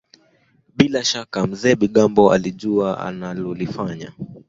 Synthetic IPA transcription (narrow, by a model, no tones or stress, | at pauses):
ɓilaʃakam̩zɛːɓiɠambɔa̰liʄuaa̰nalɔlifaɲa̰